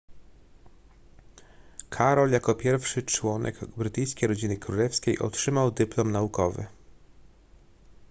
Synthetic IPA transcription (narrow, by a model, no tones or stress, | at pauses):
kʰaɾɔljakɔpʲjɛɾfʂɘt͡ʂwɔnʔɛ̰ɡbɾɘt̪ɘjskʲejɾɔd͡ʑinɘkɾulɛfskʲejʔɔ̰tʂɘmawd̪ɘplɔmnaukɔvɘ̰